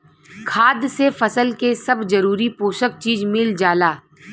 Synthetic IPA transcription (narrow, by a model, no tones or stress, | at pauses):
kʰaːd̪sefɐsəlkesɐbzɐɾuːɾipoːʃək̚t͡ʃiːzmɪld͡ʒaːlaː